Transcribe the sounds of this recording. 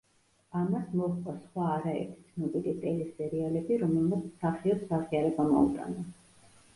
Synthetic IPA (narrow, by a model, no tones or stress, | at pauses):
amasmɔχqʼɔsχwaːɾaɛ̰ɾt̪ʰt̪sʰnɔpʼiɾit̪ʼɛlisɛɾialɛbiɾɔmɛlmat̪sʰsaχiɔtsaʁiaɾɛbamɔ̰ṵt̪ʼa̰na